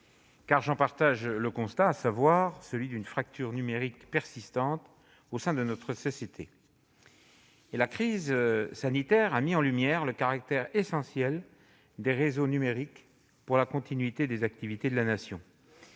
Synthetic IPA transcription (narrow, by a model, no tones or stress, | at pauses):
kaʁʒɑ̃paʁt̪aʒləkɔ̃st̪aːsavwaʁsəlɥid̪ynfχak̚t̪yʁnymeʁikpɛʁsist̪ɑ̃t̪ | osɛ̃d̪ənɔt̪χəsɔsjet̪ʰe | elakχizsanit̪ɛʁamiɑ̃lymjɛʁləkaʁak̚t̪ɛʁesɑ̃sjɛl | d̪eʁezonymeʁik | puʁlakɔ̃t̪inɥit̪ed̪ezak̚t̪ivit̪ed̪əlanasjɔ̰̃